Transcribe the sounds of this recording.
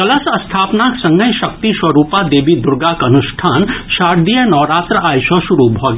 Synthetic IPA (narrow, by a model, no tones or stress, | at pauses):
kɐləsəst̪ʰaːpnaksə̃ŋɡəjʃəkt̪iswəɾupad̪eːbid̪uɾɡakənuʃʈʰaːnʃaɾd̪ijənɔːɾat̪ɾəajsɔʃuɾubʱɔɡ